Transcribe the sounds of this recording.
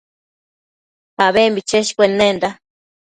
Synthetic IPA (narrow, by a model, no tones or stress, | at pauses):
paβembit͡ʃeʃkʷenːend̪a